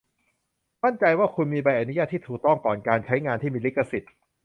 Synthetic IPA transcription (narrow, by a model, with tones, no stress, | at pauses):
ma˥˩nt͡ɕa˧jwaː˥˩kʰu˧nmiː˧ba˧jʔa˧nu˦˥jaː˥˩t̪ʰːiː˥˩uː˨˩k̚t̪ɔ˥˩ŋkɔː˨˩nkaː˧nt͡ɕʰa˦˥jŋaː˧nt̪ʰiː˥˩miː˧li˦˥kːa˧si˨˩t̪̚